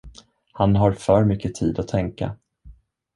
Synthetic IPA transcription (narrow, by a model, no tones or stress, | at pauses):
hanɦaɾfœːɾmʏkːət̪ʰiːd̪ɔt̪ʰɛŋka̰